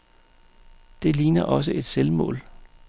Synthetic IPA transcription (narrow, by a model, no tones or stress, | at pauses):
d̥e̝liːnɐʔɒ̽s̬əʔe̝d̥selmɔ̰̽ːl